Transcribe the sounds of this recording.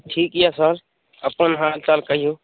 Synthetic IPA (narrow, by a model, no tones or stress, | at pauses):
ʈʰiːkijaːsəɾ | əpənɦaːɾtaːlkəɪjoː